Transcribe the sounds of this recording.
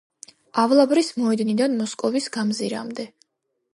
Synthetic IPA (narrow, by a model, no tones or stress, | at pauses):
avlˠabɾismɔɛd̪nid̪anmɔskʼɔvisɡamziɾa̰md̪ɛ